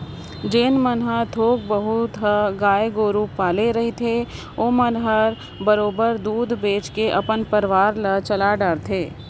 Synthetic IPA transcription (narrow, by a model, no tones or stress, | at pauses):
d͡ʒeːnmənɦət̪ʰoːɡ̚bəɦʊt̪ɦəɡaːjɡoːɾuːpːaːleɾɐɦet̪ʰe | oːmənɦəɾ | bəɾoːbəɾd̪uːd̪ʱbeːt͡ʃkeʔɐpənpəɾʋaːɾlɐt͡ʃɐlaɖaːɾt̪ʰeː